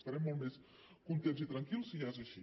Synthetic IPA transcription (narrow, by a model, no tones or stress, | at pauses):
st̪ɐɾɛmːɔlˠt̪mes | kunt̪ent̪zsit̪ɾɐŋkilˠsiʒaezəʃi